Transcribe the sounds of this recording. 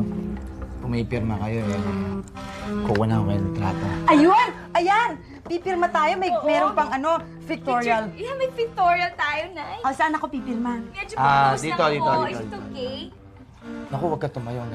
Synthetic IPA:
kʊŋmɐpɪɾmɐkɐjo̞ʔɛ | kowɐnɐokɐjonɐt̪ɾa̰ːt̪oʔɐjon | ʔɐjan | pipɪɾmɐt̪aːjo̞mɐjmɛːɾonpɐŋɐno̞ | fɪk̚t̪oɹiɐlɐmɐjfɪk̚t̪oːɹiɐlt̪aːjonajosanɐko̞pipɪɾmamɛd͡ʒoad̪iːt̪od̪iːt̪od̪ioke | nɐkowɐɡ̚kːɐt̪ʊmɐjoŋ

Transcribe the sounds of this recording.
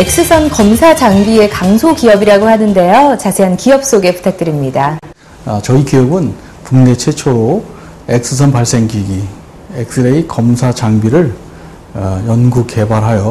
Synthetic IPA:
e̞k̚s͈ɯsʰʌnkʌmsʰad͡ʑaŋbie̞kaŋsʰokiʌbiɾaɡoɦhanɯnde̞jot͡ɕasʰeɦankijʌp̚s͈oɡe̞pu̥tʰak̚t͈ɯɾimɲida | at͡ɕʌikijʌbɯn | puŋne̞t͡ɕʰe̞t͡ɕʰoɾo | ek̚s͈ɯsʰʌnpaɭs͈e̞ŋɡiɡi | ek̚s͈ʰɯɾeikʌmsʰat͡ɕaŋbiɾɯɭ | jʌnɡukke̞baɾɦajʌ

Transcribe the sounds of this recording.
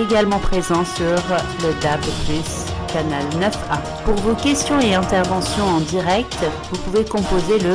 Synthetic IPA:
eɡalmɑ̃pχezɑ̃syʁləd̪ablplys | kanalnœfa | puʁvokʲɛst̪jɔ̃eɛ̃t̪ɛʁvɑ̃sjɔ̃ɑ̃d̪iʁɛk̚t̪ | vupuvekɔ̃pozelə

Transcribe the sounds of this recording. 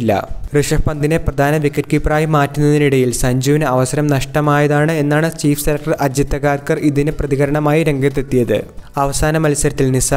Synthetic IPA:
lːɐ̰rɨʂɐpɐnd̪ine̞prɐd̪ʱaːnɐʋikːɐt̚kipraːjimaːtːunːɐðiniɽɐjilsɐɲd͡ʑuːʋinɨɐʋɐsɐɾɐmnɐʂʈɐmaːjɐðaːɳɨe̞nːaːɳɨt͡ɕiːfseɾɐk̚ʈɐrʔɐd͡ʑit̪ːɐɣaːrkɐriðinɨprɐðiɣɐɾɐɳɐmaːjiɾe̞ŋɡɐt̪̬ːet̪ːijɐðɨ̰ɐʋɐsaːnɐmɐlsɐɾɐt̪ːilnisa

